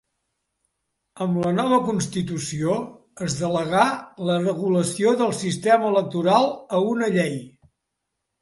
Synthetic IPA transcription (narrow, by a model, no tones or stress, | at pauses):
əmlənɔβəkunst̪it̪usio | əzðələɣalərəɣuləsioðəlˠsist̪ɛməːlək̚t̪uɾalˠəunəʎɛj